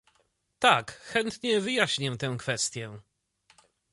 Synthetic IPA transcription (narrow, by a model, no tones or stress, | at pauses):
t̪akxɛnt̪ɲɛvɘjaɕɲɛt̪ɛ̃w̃kfɛst̪ʲjɛ